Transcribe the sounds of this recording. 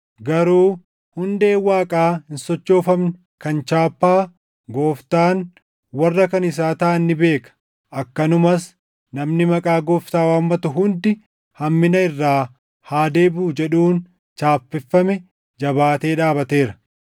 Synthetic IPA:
ɡɐɾuː | hʊnd̪e̞ːwaːkʼaːhɪnsɔt͡ʃːo̞ːfɐmnɪ | kɐnt͡ʃaːpːaː | ɡoːft̪aːn | wɐrːɐkɐnɪs̬aːt̪aːnːɪbe̞ːkɐ̥ | ʔɐkːɐnʊmɐs | nɐmnɪmɐkʼaːɡoːft̪aːwaːmːɐt̪ʊɦʊnd̪ɪ | hɐmːɪnɐɪrːaː | haːd̪e̞ːbuːd͡ʒɛᶑuːn | t͡ʃaːfpːɪfːɐmɛ | d͡ʒɐbaːt̪e̞ːᶑaːbɐt̪eːɾɐ̥

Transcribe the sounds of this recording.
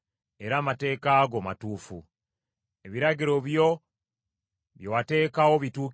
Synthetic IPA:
e̞ɾaːmate̞ːkaːɡomatuːfu | e̞βiɾaɡiɾo̞βjo̞ | βjowate̞ːkawo̞βituːk

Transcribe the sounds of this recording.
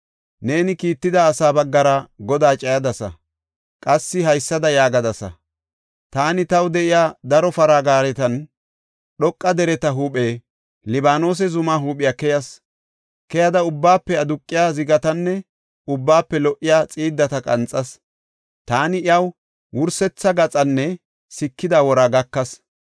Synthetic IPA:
ne̞ːnɪkiːt̪ːɪd̪ɐːsaːbɐɡːɐɾɐɡɔd̪aːt͡ʃʼɐjɐd̪ɐsɐ̰ | kʼɐsːɪɦɐjsːɐd̪ɐjaːɡɐd̪ɐsɐ̰ | t̪aːnɪt̪ɐwd̪ɛʔɪjaːd̪ɐɾɔfɐɾaːɡaːɾɛt̪ɐn | ɗɔkʼːɐd̪ɛɾɛt̪ɐɦuːpʼeː | lɪbaːno̞ːs̬ɛzʊmaːɦuːpʼɪjakɛjɐs | kɛjɐd̪ɐʊbːaːpːɛɐd̪ʊkʼːɪjaːzɪɡɐt̪ɐnːɛ | ʊbːaːpːɛlɔʔɪjaːt͡sʼiːd̪ːɐt̪ɐkʼɐ̰nt͡sʼɐs | t̪aːnɪɪjɐw | wʊɾsɛt͡sːɐɡɐt͡sʼɐnːɛ | sɪkːɪd̪awɔɾaːɡɐkːɐs

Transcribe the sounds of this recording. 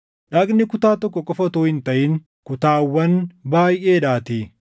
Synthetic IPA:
ᶑɐɡnɪkʊt̪aːt̪ɔkːɔkʼɔfɐt̪oːhɪnt̪ɐʔɪŋ | kʊt̪aːwːɐnbaːjʔeːᶑaːt̪i

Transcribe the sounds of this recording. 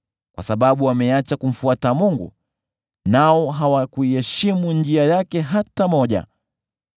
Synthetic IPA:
kwa̰saɓaɓuwamɛat͡ʃakum̩fuatamuŋɡṵ | naɔɦawakuiɛʃimund͡ʒiajakɛɦatamɔʄa̰

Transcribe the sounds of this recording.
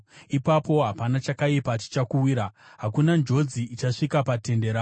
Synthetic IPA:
ipapo̞ɦapanat͡ʃakaipat͡ʃi̥t͡ʃakuwiːɾaɦakunand͡ʒo̞d͡ziit͡ʃaʂikapate̞nde̞ɾaː

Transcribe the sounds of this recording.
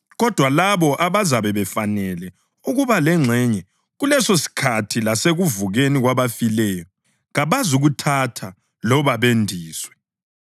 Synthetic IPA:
ɣɔd̥ʱwalaβɔʔaβazaβɛβɛfanɛlɛ | uɣuβalɛŋ͡ǁʱɛɲɛ | ɣulɛsosi̥kʰatʰilaseɣuvuɣeniɣwaβafilɛjɔ | ɣaβazuɣutʰatʰa | lɔβaβendʱiːswɛ

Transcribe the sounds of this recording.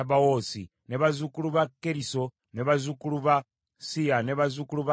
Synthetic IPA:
aβawosi | neβazukuluβakeɾiso | neβazukuluβa | sianeβazukuluβa

